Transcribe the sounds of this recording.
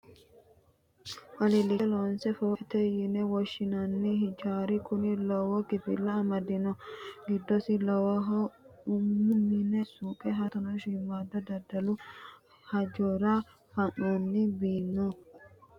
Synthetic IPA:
wɐlɪlɪloːnsɛfɔːt̪ɛjɪnɛwɔʃːɪnɐnːɪhɪd͡ʒaːɾɪkʊnɪlɔwɔkɪpɪ̰lːɐːmɐd̪ɪnɔɡɪd̪ːɔsɪlɔwɔɦɔʊmːʊmɪnɛsuːkʼɛɦɐt̪ɔnɔʃimːaːd̪ɐd̪ɐd̪ɐlʊ | hɐd͡ʒoɾa | fɐnonːɪbiːnːɔ

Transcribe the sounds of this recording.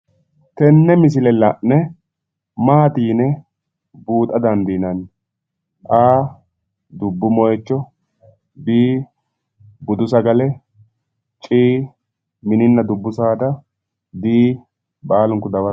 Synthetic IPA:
t̪ɛnːɛmɪs̬ɪlɛlɐʔnɛ | maːt̪iːnɛ | buːt̪ʼɐd̪ɐnd̪iːnɐn | ʔaː | d̪ʊbːʊmɔjɛt͡ʃːɔ | biː | bʊd̪ʊsɐɡɐlɛ | t͡ʃʼiː | mɪnɪnːɐd̪ʊbːʊsaːd̪ɐ | d̪iː | baːlʊŋkʊd̪ɐbɐ

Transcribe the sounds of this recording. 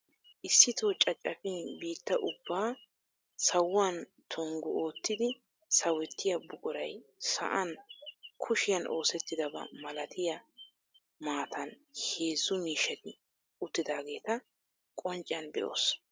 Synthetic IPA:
ʔɪsːɪt̪oːt͡ʃʼɐt͡ʃʼːɐfɪnbiːt̪ːɐʔʊbːaː | sɐwːaːn | t̪ʰɔŋɡʊo̞ːt̪ːɪd̪ɪ | sɐwɛt̪ːɪjɐbʊkʼʊɾɐ̰jsɐ̰ʔɐnkʰʊʃɪjɐno̞ːsɛt̪ːɪd̪ɐbɐ̰mɐlɐt̪ʰɪjɐ | maːt̪ʰɐn | he̞ːzːʊmiːʃːɐt̪ɪ | ʊt̪ːɪd̪aːɡe̞ːt̪ɐ | kʼɔnt͡ʃʼɪjɐnbɛ̰ʔo̰ːs

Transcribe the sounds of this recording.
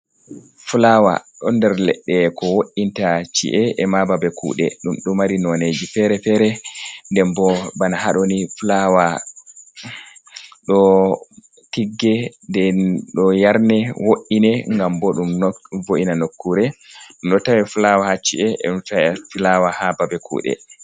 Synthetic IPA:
fulawa̰ɗɔndɛɾlɛ̰ɗːɛkɔwoʔintat͡ʃḭʔɛʔɛmababɛkʰṵɗɛ̰ɗumɗɔmaɾinɔned͡ʒifɛɾɛfɛɾɛndɛmbɔbanahaɗonifulawa | ɗɔ | tiɡːɛndɛɗɔjaɾnɛwoʔinɛŋɡambɔɗumvoʔinanokːuɾɛnɗɔtawɛfulawahat͡ʃːḭʔɛɛ̰tawɛfilawahababɛkʰṵːɗɛ̰

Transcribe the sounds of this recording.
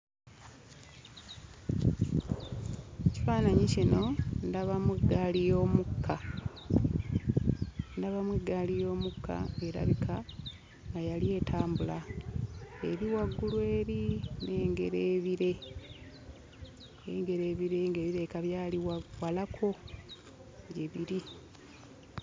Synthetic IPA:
eci̥faːnaɲicino̞ndaβamweɡalijo̞ːmukʰːa | ndaβamweɡalijo̞ːmukːa̰e̞ɾa̰βikʰa | ŋɡajalie̞ːtʰaːmbula | ḛɾiwaɡːulwe̞ːɾine̞ːŋɡe̞̰ɾeːβiɾe̞ | ḛŋɡe̞ɾe̞ːβiɾe̞ŋɡeːβiɾe̞kaβjaːliwawalakʰo̞ | ɟeβiɾi

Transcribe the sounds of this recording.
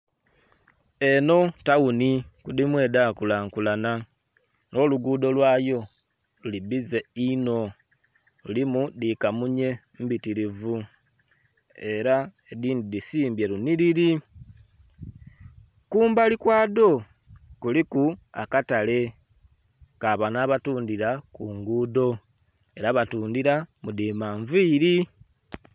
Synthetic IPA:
e̞no̞taunikudimwe̞ːdaːkulaŋkulana | no̞luɡuːdo̞lwaːjo̞ | lulibizeino̞ | lulimudikamuɲe̞ | mbitiɾivu | eɾaediːndidisiːmbje̞ɾuniɾiɾi | kuːmbalikwaːdo̞ | kulikua̰katale̞ | kaβanaβatuːndiɾakuːŋɡuːdo̞ | e̞ɾaβatuːndiɾamudimaːɱviːɾi

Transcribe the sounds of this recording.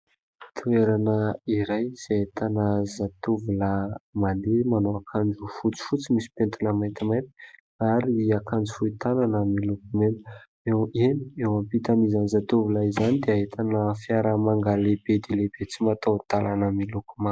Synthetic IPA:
t̪ʰueɾanəiɾajz̥eet̪anəzat̪uvuləmand̪emanoakʰand͡ʒufut͡si̥fut͡simisi̥pent̪unəmajnt̪imaj̪t̪i̥ | aɾiliakand͡zufuit̪ananəmilukumen | eweniewampit̪amizanzat̪uvulaizanid̪eaɦet̪ʰanəfjaɾəmaŋɡalebed̪elebet͡simat̪at̪alanəmilukuma

